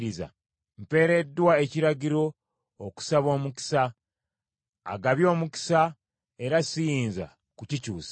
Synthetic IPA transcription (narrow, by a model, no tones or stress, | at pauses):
ɾiza̰ | mpe̞ːɾe̞dːwae̞ciɾaɟiɾo̞ | oku̥saβo̞ːmuki̥sa | ɡaβjo̞ːmuki̥sa | e̞ɾasijiːnza̰ | kucicuːs